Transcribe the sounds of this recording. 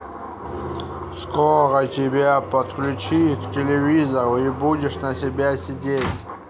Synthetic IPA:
skorətʲɪbʲapət̪klʲʊt͡ɕiktʲɪlʲɪvʲizəɾʊibudʲɪʂnɐsʲɪbʲasʲɪdʲetʲ

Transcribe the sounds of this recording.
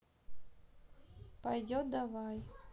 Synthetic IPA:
pajdʲod̪avaj

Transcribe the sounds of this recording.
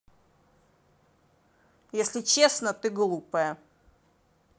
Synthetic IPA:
jesʲlʲɪt͡ɕesnət̪ɨɡlˠupəjə

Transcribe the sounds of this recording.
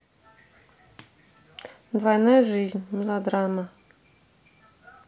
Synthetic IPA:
d̪vajnajʐɨzʲnʲmʲɪlˠad̪ɾama

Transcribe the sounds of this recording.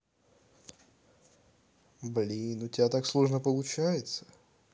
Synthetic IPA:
blʲinʊtʲɪbʲat̪akslˠoʐnəpəlˠʊt͡ɕæjɪt̪sə̥

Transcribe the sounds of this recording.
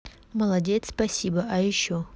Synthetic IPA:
məlˠɐdʲet̪spɐsʲibəʔɐjɪɕːo

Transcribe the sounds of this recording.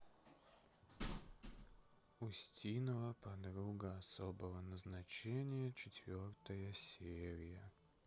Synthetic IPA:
ʊsʲtʲinəvəpɐd̪ɾuɡəɐsobəvənəznɐt͡ɕenʲɪjət͡ɕɪt̪ʲvʲort̪əjəsʲeɾʲɪjə

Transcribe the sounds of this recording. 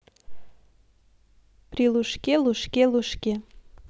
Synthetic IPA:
pɾiluʃkeluʃkeluʃkʲe

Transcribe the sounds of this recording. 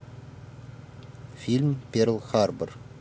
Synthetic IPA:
filʲmpeɾlˠχarbər

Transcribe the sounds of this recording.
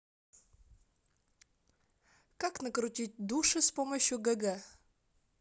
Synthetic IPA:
kaknəkɾʊtʲit̚ʲd̪uʂɨspoməɕjʊɡɐɡɛ

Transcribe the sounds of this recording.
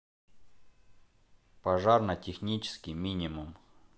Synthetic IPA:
pɐʐarnɐtʲɪxnʲit͡ɕɪ̥skʲɪjmʲinʲɪmum

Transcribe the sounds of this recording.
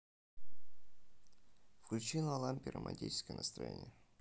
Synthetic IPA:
fklʲʉt͡ɕinˠəɐlˠamʲpʲiɾəmʔɐ̰nʲtʲit͡ɕɪ̥skəjənəst̪ɾɐ̰jḛnʲɪjə

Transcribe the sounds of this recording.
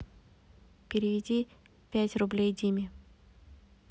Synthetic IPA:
pʲɪɾʲɪvʲɪdʲi | pʲætʲrʊblʲejdʲimʲɪ

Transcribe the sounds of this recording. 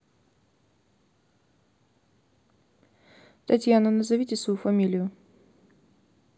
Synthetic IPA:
t̪ɐtʲjanənəzɐvʲitʲɪsvɐjufɐmʲilʲɪjʊ

